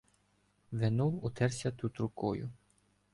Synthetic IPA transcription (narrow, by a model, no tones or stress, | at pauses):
ʋenɔwʊt̪ɛrsʲɐt̪ut̪ɾʊkɔjʊ̰